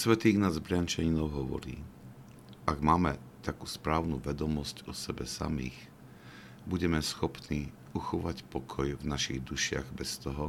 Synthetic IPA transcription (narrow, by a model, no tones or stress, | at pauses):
sʋɛt̪iːɣnazbɾɪant͡ʃaɲinɔʊɦɔʋɔ̰ɾḭː | aɡmaːmɛt̪akuːspɾaːʊnuʋɛd̪ɔmɔscɔsɛbɛsa̰mḭːx | buɟɛmɛsxɔpniː | uxɔʋacpɔkʰɔjvnaʃiɣd̪uʃɪa̰ɣbɛst̪ɔɦɔ